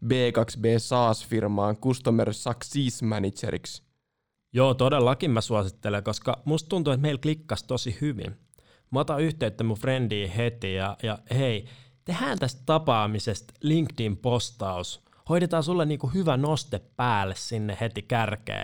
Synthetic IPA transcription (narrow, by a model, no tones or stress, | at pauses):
beːkɑksbeːsɑːsfirmɑːŋkust̪omersɑksiːsmænit͡ʃḛɾḭks | joːt̪odelːɑkimmæsuɑsit̪ːeleŋkoskɑmust̪t̪unt̪uet̪meilklikːɑst̪osihyʋḭn | mot̪ɑyht̪eyt̪ːæmufrendiːhet̪ijɑjɑheit̪ehæːnt̪æst̪t̪ːɑpɑːmisest̪liŋkt̪impost̪ɑus | hoiɾet̪ɑːsulːeniːŋkuhyʋænost̪epːæːlːessinːehet̪ikærkḛː